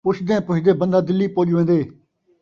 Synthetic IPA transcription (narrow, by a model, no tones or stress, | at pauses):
pʊʃd̪ẽːpʊʃd̪eːbənd̪aːd̪ɪlːiːpoːd͡ʒuːʋẽːnd̪eː